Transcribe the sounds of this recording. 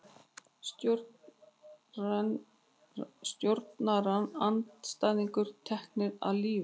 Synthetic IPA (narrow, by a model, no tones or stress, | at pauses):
st̪joɾt̪naranant̪st̪ajðiŋkʏɾ̥t̪ʰɛhk̚nɪɾa̰ðliːvɪ